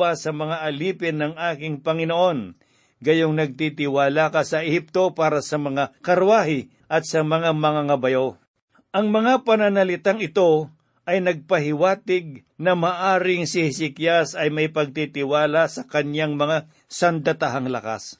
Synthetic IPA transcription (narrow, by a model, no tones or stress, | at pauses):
asɐmɐŋaʔɐliːpɪnːɐŋaːkɪŋpɐŋɪnoʔo̞n | ɡɐjoŋnɐɡ̚t̪it̪ɪwaːlakɐsɐʔɛhip̚t̪o̞paːɾɐsɐmɐŋakɐɾwaːhɪ | ʔɐt̪sɐmɐŋamɐŋaŋɐbɐjo̞ | ʔɐŋmɐŋapɐnɐnɐlɪt̪aŋɪt̪o̞ | ʔɐjnɐɡ̚pɐɦɪwaːt̪ɪɡ̚ | nɐmaːʔaːɾɪŋsɪhsɪkjasɐjmɐɪpɐɡ̚t̪it̪ɪwaːlasɐkɐnjaŋmɐŋa | sɐnd̪ɐt̪aɦaŋlɐka̰s